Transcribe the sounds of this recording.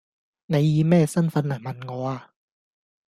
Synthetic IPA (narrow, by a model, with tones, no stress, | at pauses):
na˨˧˥jjiː˧˦mɛː˥˩sa˥˩˨nfa˧˦˥nːa˨˩ma˧nŋɔː˨˧˦a˧˩